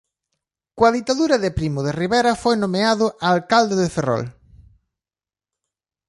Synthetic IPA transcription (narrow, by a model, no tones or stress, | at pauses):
kwɐðit̪aðuɾɐðepɾimʊðeriβɛɾɐfojnõmeaðʊʔaːlkald̪eðeferɔ̰l